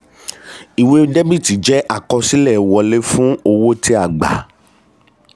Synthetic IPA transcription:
i˨we˧˦de˦bi˦˨ti˨˦d͡ʒɛ˦ʔa˦˨kɔ˧si˦lɛ˦˨wɔ˧le˦fũ˦o˧wo˦ti˦a˦˨ɡ͡ba̰˨˦

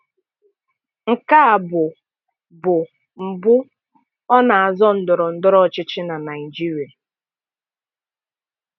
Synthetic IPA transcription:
ŋ̩˨ka˦a˨bʊ˨ | bʊ˨ | m̩˨bʊ˦ | ɔ˦na˨a˨zɔ˦n̩˨dʊ˨ɾɔ˨n̩˦dʊ˦ɾɔ˦˨t͡ʃɪ˦t͡ʃɪ˦na˨na˨ɪ˨d͡ʒi˦ɾi˨a˨

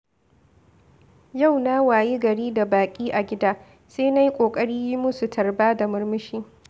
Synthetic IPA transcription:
ja˦˨wna˦waː˨ji˦ɡɐ˨ɽiː˦da˨baː˨kʲʼiː˦ʔa˨ɡʲɪ˦daː˦ | seː˦na˦ji˦kʷʼoː˨kʼɐ˦ɽiː˦ji˦mʊ˦su˨tʰɐ˨rbaː˦da˨mʊ˦rmɪ˦ʃiː˦

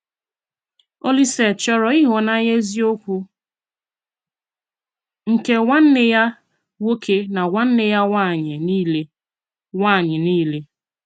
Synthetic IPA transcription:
o˦li˦se˨t͡ʃɔ˦ɾɔ˨i˦ɦɔ˨na˦ɲe˦zi˦o˦kʷu˦ | ŋ̩˨ke˦wa˦n̩˦nɪ˦ja˦ | wo˦kʰe˦na˨wa˦n̩˦nɪ˦ja˦wa˦˨ɲ˨˦le˦ | wa˦˨ɲɪ˨niː˦le˦

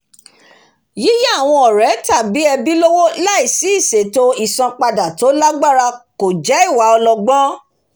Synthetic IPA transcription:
ji˦ja˦˨w̃ɔ̃˧ɔ˨ɾɛ˨˦ta˦˨bi˨˦ɛ˧bi˦lo˦wo˦la˦i˦˨si˨˦i˦˨se˨to˦i˨sɔ̃˧k͡pa˧da˨to˨˦la˦ɡ͡ba˦˨ɾa˧ko˨d͡ʒɛ˨˦i˦˨wa˨˦ɔ˧lɔ˧ɡ͡bɔ̃˦

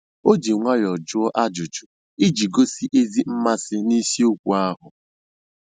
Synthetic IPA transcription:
o˦d͡ʒi˨ŋʷa˦jɔ˨d͡ʒʊ˦ɔ˦ʔa˦d͡ʒʊ˨t͡ʃʊ˨ | i˦d͡ʒi˨ɡo˦si˦ʔe˦zi˦m̩˦ma˦sɪ˦ni˦si˦o˦kʷu˨a˦ɦʊ˨

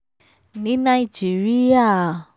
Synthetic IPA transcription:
nĩ˨˦nã˦˧i˨d͡ʒi˨˦ɾi˦a˦˨

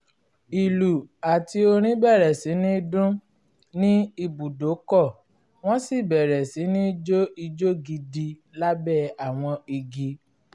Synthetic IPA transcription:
i˨lu˨a˨ti˧o˧ɾ̃ĩ˦bɛ˦˨ɾɛ˨si˨˦nĩ˦dũ˦ | nĩ˦i˧bu˨do˨˦kɔ˦˨ | w̃ɔ̃˦si˦˨bɛ˨ɾɛ˨si˨˦nĩ˦d͡ʒo˦i˧d͡ʒo˦ɡi˧di˧la˦bɛ˦˨a˨w̃ɔ̃˧i˧ɡi˧˦

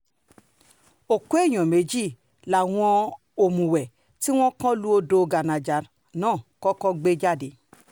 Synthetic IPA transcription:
o˨kwe˦˨jɔ̃˨me˨˦d͡ʒi˦˨ | la˨w̃ɔ̃˧ | o˨mũ˨wɛ˨ | ti˦w̃ɔ̃˦kɔ̃˦lu˦o˧do˧ɡa˨na˨d͡ʒa˨ɾ | nɔ̃˦˨kɔ˦kɔ˦ɡ͡be˦d͡ʒa˦˨de˨

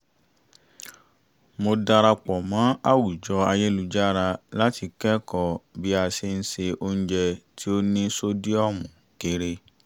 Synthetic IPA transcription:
mo˧da˧ɾa˧k͡pɔ˨mã˨˦a˦wu˨d͡ʒɔ˧a˧je˦lu˧˨d͡ʒa˦˨ɾa˧la˦ti˧kɛ˦kɔ˨bi˨˦a˧se˧n̩˦se˧o˦ñ̩˦d͡ʒɛ˧tʰi˦o˦nĩ˦so˦di˦ɔ˦˨mũ˨ | ke˧ɾe˧

